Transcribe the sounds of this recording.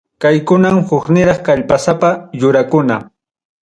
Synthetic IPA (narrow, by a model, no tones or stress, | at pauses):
kajkʊnamhʊknɪɾɑχkaʎpasapajʊɾakʊna